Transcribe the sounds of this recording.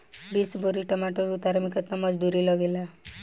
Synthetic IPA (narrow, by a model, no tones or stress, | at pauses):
bisbʱoɾiʈəmaʈoɾut̪aɾmikɔt̪namʌd͡zd̪uɾilɔɡela